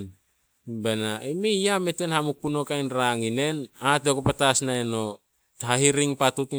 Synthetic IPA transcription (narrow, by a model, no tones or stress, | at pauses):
benaimejjamete̞nhamukːuno̞kajnɾaŋine̞natekopatasnaeno̞ | thahiɾiŋpatut